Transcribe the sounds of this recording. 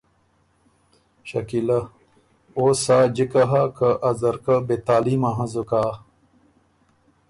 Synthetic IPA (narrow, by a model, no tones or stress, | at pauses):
ɕɐ̰kilɐ | oːsaːd͡ʑikɐɦakɐʔɐzɐɾkɐbet̪aːlimaɦɐ̃zukaː